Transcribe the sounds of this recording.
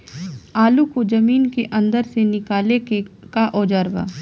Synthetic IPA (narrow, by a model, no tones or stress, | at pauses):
aːlukod͡ʒɐmiːnkeʔɐ̃nd̪əɾsenɪkaːlekaʔɔːd͡ʒaːɾba̰ː